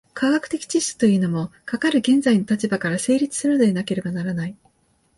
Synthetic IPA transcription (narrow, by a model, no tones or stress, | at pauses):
kʰaɡakɯ̟t̪e̞kʲi̥t͡ɕiskɨ̥t̪o̞jiɯnomo̞kakaɾɯ̟ɡẽ̞nd͡zaino̞t̪at͡ɕibakaɾase̞ːɾʲit͡sɨ̥sɨɾɯ̟nod̪enake̞ɾe̞banaɾanai